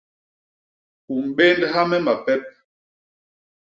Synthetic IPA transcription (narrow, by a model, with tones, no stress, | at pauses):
ku˨m̩˨be˦ndɦa˦mɛ˦ma˨pɛ˦p̚